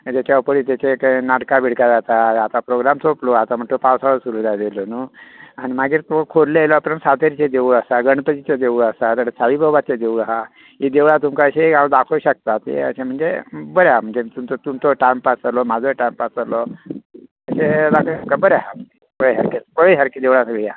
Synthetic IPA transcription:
d͡ʑat͡ɕaupəɽiːt̪jat͡ɕeknaɽkabʱiɽkad͡zat̪aat̪apɾoɡɾamt͡sʰoploat̪am̤əɳt̪opawsaɭəsuɾud͡z̪ad̪elonuañimaɡiːɾt̪okʰoɾleelapəɾnsat̪eɾit͡ɕed̪euɭəsaɡəɳpət̪it͡sed̪euɭəsat̪aɽet͡sʰaʋibʱəʋat͡ɕed̪euɭaɦa | ɦid̪eʋɭat̪umkaəɕeɡad̪akʰoɕək̚t̪at̪ḛə̰sem̤əɳd͡zebəɾjaam̤əɳd͡zet̪umt͡sot̪umt͡soʈajmpat͡səlomad͡zʱoʈajmpat͡səɾlɔ | əɕed̪akʰəɕəp̚kabəɾjaɦam̤əɳd͡zepəɭeɦaɾkepəɭeɦaɾkid̪eʋɭasəɡɭija

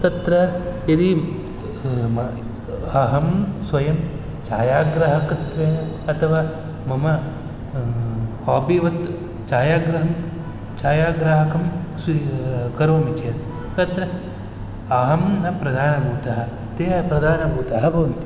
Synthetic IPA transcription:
t̪ɐt̪ɾɐjɐd̪i | ɐɦɐmsʋɐjɐm | t͡ʃaːjaːɡɾɐɦɐkɐt̪ʋeːn | ɐt̪ʰɐʋaː | mɐmɐ | haːpiʋɐt̪ | t͡ʃaːjaːɡɾɐɦɐŋ | t͡ʃaːjaːɡɾaːɦɐkɐmskɐɾʋɐmit͡ʃeɾ | t̪ɐt̪ɾɐ | ɐɦɐmnɐpɾɐd̪ʱaːnɐbʱuːt̪ɐɦɐ̆ | t̪eːpɾɐd̪ʱaːnɐbʱuːt̪ɐɦɐbʱɐʋɐnt̪i

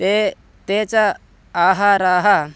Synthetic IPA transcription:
e | t̪eːt͡sa | aːɦaɾaːɦa

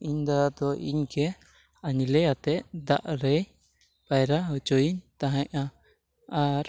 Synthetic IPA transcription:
iɲd̪ad̪ɔʔḭɲkɛ | aɲilɛjat̪ɛʔd̪a̰ʔɾɛj | bajɾaɦɔt͡ʃɔjiɲt̪aɦãʔʔa | aɾ

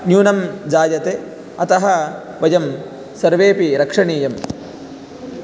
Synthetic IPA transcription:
njuːnɐmd͡ʒaːjɐt̪e | ɐt̪ɐɦɐ | ʋɐjɐm | sɐɾʋeːpiɾɐkʂɐɳiːjɐm

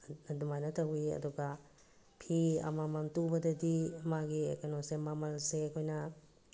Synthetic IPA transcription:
ɐdumajnɐtʰɐwiɐ̰duɡɐ | pʰiɐ̰mamɐntubɐdɐdiɐmaɡiḛkanosemamɐlsekʰojnɐ

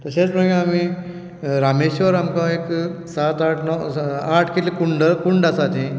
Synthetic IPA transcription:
t̪əɾɕet͡smə̃ɳɡeami | ɾameɕʋəɾamkaeksat̪aʈʰnɔaʈʰkelikuɳɖəkuɳɖasat̪ẽ

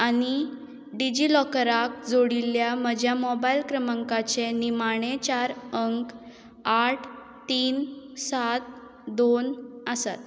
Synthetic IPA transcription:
añi | ɖid͡ʑilɔkəɾak̚d͡zoɽiljaməd͡ʑʱjamɔbailkɾəməŋkat͡senimaɽ̃et͡ɕaɾəŋk | aʈʰ | t̪iːnsat̪̚ | d̪onəsa̰t̪

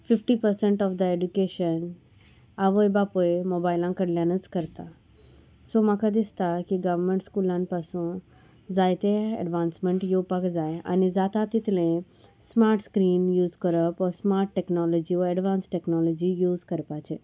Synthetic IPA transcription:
fɪfʈipəɾsẽɳʈɔfd̪əeɖjukeʃən | aʋoebapoemoːbaɪlãkəɽljãnəskəɾt̪a | somãkad̪ɪst̪akiɡəʋmẽɳʈskulãnpasũ | zajt̪eə̰ɖʋãːnsmẽɳʈjopakd͡ʒajə̰nezat̪at̪ɪt̪lẽ | smaːɾʈskɾiːnjuːzkəɾəpɔsmaːɾʈːɛknɔlɔd͡ʒioɛɖʋãːnsʈɛknɔlɔd͡ʒijuːzkəɾpat͡ʃʰe

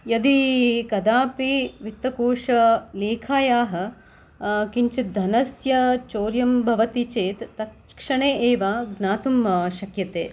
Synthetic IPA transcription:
jɐd̪ikɐd̪aːpiʋit̪ːɐkoːʂɐleːkʰaːjaːɦɐ̆ | kiɲt͡ʃit̪̚d̪ʱɐnɐsjɐt͡ʃoːɾjɐmbʱɐʋɐt̪it͡ʃeːt̪ːɐt̪̚kʂɐɳeːʔeːʋaɡnaːt̪umʃɐkjɐt̪eː

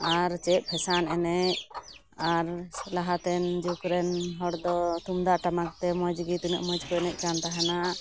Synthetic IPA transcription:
aɾt͡ʃɛʔ̚pʰɛsanɛnɛc | aɾlaɦat̪ɛnd͡ʒukɾɛnɦɔɽd̪ɔt̪umd̪aʔʈamak̚t̪ɛmɔd͡ʒɡit̪unɛʔmɔd͡ʒkɔɛnɛc̚ˀkant̪aɦana

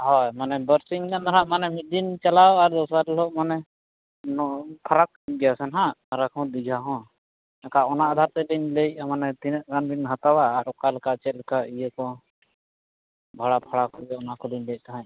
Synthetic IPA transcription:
ɦɔjmanɛbəɾsiɲnand̪ɔɾaʔmanɛmid̪int͡ʃalawaɾd̪ɔsaɾlɔʔmanɛ | nɔpʰaɾak̚ɡɛjasɛnɦãaɾakɦɔ̃d̪iɡʱaɦɔ̃ | ɛkaʔɔnaʔad̪ʱaɾt̪ɛliɲlec̚manɛt̪inəʔ̚ɡanbinɦat̪awaːɾɔkalɛkat͡ʃɛt̪̚lɛkaʔijəkɔ | bʱaɽapʰaɽakɔbɛɔnakɔliɲlɛjc̚t̪aɦãɲ

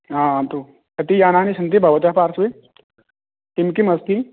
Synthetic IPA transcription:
ɦãːant̪u | kɐt̪ijaːnaːnisɐnt̪ibʱɐʋɐt͡ʃaɦpaːɾsʋe | t̪imkimɐst̪i

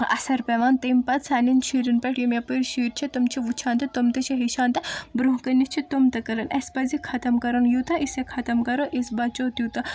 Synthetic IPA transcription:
ɐ̰sɐɾpeʋaːnt̪eːmpɐt̪sɐnint͡ʃʰiːɾinpɐʈjimʲɐpɨɾʃiːɾt͡ʃʰit̪ɐmt͡ʃʰiʋut͡ʃʰaːnt̪ɐt̪omt̪ɐt͡ʃʰiɦiʃaːnt̪ɐbɾuɦkɐnist͡ʃʰit̪omt̪ɐkɐɾɐnʔɐspɐzikʰɐt̪ɐmkɐɾɐnjut̪ɐʔisekʰɐt̪ɐmkɐɾoʔisbɐt͡ʃoːt̪jut̪ɐ

